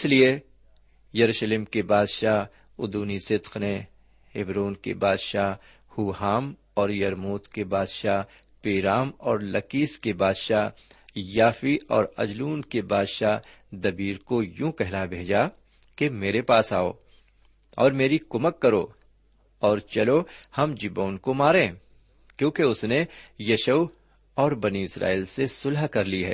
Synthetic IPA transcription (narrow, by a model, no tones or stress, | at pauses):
ɪslie | jɐɾuːʃlɪmkebaːd̪ʃa | ʊd̪uːnisɪd̪qne | hɪbɾoːnkḛbaːd̪ʃaɦ | huːhaːm | ɔːɾjɐɾmoːt̪kebaːd̪ʃa | peːɾaːmɔːɾlɐkiːskebaːd̪ʃajaːfiʔɔːɾɐ̰d͡ʒluːnkebaːd̪ʃaɦd̪ɐbiːɾkojũːkɛɦlabʱeːd͡ʒa | kemeːɾepaːsaːo̰ː | ɔ̰ːɾmeːɾikʊməkːɐɾo | ɔːɾt͡ʃɐlohɐmd͡ʒɪboːnkomaːɾẽː | kjõːkeʊsnejɐʃəw | ɔːɾbɐniɪsɾa̰ːiːlsesʊlɦkɐɾliɦɛ̰ː